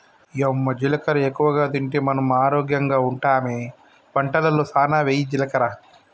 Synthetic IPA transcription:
jomːɐd͡ʒilɐkɐɾɐekːuʋɐɡaːd̪iɳʈemɐnɐmaːɾoːɡjɐŋɡaːuɳʈaːmeː | pɐɳʈɐlɐloːsaːnaːʋeːjid͡ʒilɐkɐɾaː

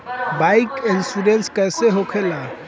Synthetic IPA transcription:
baikensuɾenskɛːseɦokʰela

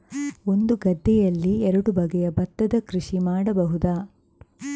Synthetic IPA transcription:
o̞nd̪uɡɐd̪ʱːɛjɐlːiɛɾɐɽubɐɡɛjɐbɐt̪ːɐd̪ɐkɾiʂimaːɽɐbɐɦud̪aː

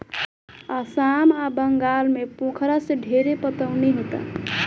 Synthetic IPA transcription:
asamabəŋɡalmepõkʰɾasẽɖʱeɾepət̪əʊneɦet̪a̰

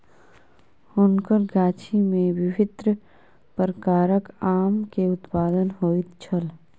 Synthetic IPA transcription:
hʊnkəɾɡaːt͡ʃʰimẽʋɪʋɪd̪ɾə | pəɾəkaːɾəkaːmkeʊt̪paːd̪ənɦoːit̪t͡ʃʰəl

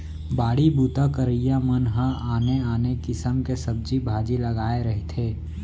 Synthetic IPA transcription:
baːɽibuːt̪akəɾijamənɦəaːneaːnekɪsəmkesəb̚d͡ʒibʱaːd͡ʒilɐɡaːeɾɐɦet̪ʰeː

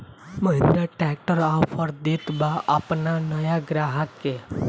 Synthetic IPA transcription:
məɦɪnɾəʈɛk̚ʈəɾãpʰəɾd̪it̪baʔapnanəjaɡɾaɦəkːe

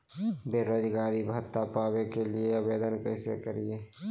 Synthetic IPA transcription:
beːɾoːd͡ʒɡaːɾibʱət̪ːapaːwekelieɐbeːd̪ənkɛːsḛkəɾieː

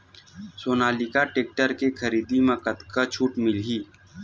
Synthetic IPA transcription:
soːnaːlikaʈeːk̚ʈəɾkekʰəɾiːd̪imɐ̃kət̪kat͡ʃʰuːʈmɪlɦiː

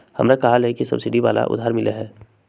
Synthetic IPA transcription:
hɐ̰mnakɐɦalɛkisɐ̰bsɪɖiʋaːla̰ʔʊ̰d̪ʱaːɾmɪleɦɛː

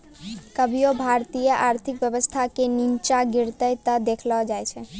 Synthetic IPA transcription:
kəbʱijobʱaɾt̪ijəʔaɾt̪ʰikʋjəʋəst̪ʰakeniɲt͡ʃaɡɪɾt̪əjt̪ad̪ekʰlad͡ʒajt͡ʃʰe

